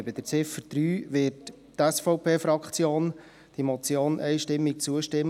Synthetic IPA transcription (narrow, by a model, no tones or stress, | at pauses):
ɛbəd̥əɾt͡sɪfəɾd̥ɾyːʋɪɾt | tɛsfɔʊpʰeːfɾɑkχt͡sjoːn | d̥imɔt͡sjoːnʔɛɪʃtɪmːik̚t͡suəʃtɪmː